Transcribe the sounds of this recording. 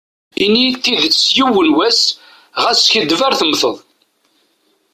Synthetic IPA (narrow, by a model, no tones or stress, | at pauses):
init̪ːiðsjuwənwæs | ʁæsçəd̪væɾθəmθəðˤ